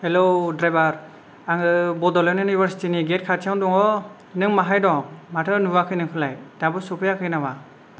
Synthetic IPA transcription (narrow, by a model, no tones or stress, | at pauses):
helodɾajbaɾ | aŋɯbɔdɔlɔnunibʱaɾsi̥tiniɡet̚kʰatʰijandɔŋɔ | nɯŋmaɦajdɔmatʰɯnuwakʰɯjnɯŋpʰɯlajd̥abɯsupʰɯjakʰɯjnawa